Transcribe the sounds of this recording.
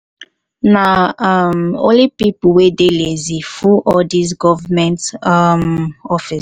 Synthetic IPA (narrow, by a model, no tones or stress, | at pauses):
naamõ̰lipipuwedelezifuʔɔdis̬ɡɔvamɛ̃ntmɔfis